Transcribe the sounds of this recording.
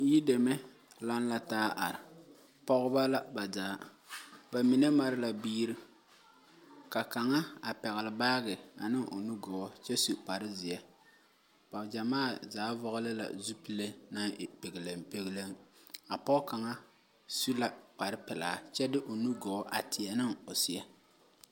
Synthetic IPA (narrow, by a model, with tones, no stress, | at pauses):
ji˦de˨mɛ˦ | la˦nla˦taː˦ʔa̰˨ɾɪ˨ | pɔ˦ɣʊ˦ba˦la˦ba˨zaː˨˦ | ba˨mi˨nɛ˦ma˨ɾɪ˦la˨biː˦ɾi˦ | ka˨ka˨ŋa˦a˨pɛ˨ɣɪ˨lɪ˨baː˦ɣɪ˨a˨nɪ˦ŋʔo̰˨nu˦ɡɔː˨˦t͡ʃɛ˦su˨pa˨ɾɪ˦zɪ˨jɛ˨ | pa˨d͡ʒa˨maː˦˨zaː˨˦vɔ˦ɣʊ˦lɪ˦la̰˨zu˦pi˦le˦na˦˨pe˨ɡɪ˨le˨mpe˦ɣɪ˦le˦ŋa˨pɔ˦ka˨ŋa˦ | su˦la˨k͡pa˨ɾɪ˦pɪ˨la̰ː˨t͡ʃɛ˦dɪ˦ʔo˨nu˦ɡɔː˨˦ʔa̰˨tɪ˨ɛ˨nɪ˦ŋo˨sɪ˨ɛ˦